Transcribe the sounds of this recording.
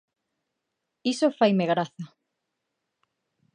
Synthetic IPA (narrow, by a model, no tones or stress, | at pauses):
isofajmeɣɾaθɐ